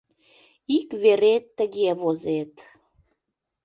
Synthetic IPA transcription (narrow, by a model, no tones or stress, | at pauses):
ikβeɾet̪ːəɣeβozet̪